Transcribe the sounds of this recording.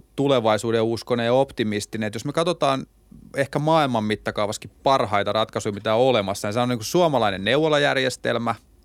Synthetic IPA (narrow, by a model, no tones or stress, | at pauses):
t̪uleʋɑisuːdeuskonejɑopt̪imist̪inet̪josmekɑt̪ot̪ɑːn | ehkæmɑːilmɑmmit̪ːɑkɑuʋɑskippɑrhɑit̪ɑrɑt̪kɑsujimit̪æolemɑsːɑnisɑnoniːkussuɑmɑlɑinenneuwːolɑjærjest̪ḛlmæ